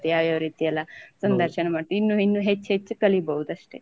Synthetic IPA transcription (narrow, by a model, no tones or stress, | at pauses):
t̪jaːʋjaːʋɐɾiːt̪iɐlːɐsɐnd̪ʱɐɾʃɐɳɐmaːʈ̪uinːuinːuɦet͡ʃːɦet͡ʃːukɐlibɐɦud̪ɐʂʈe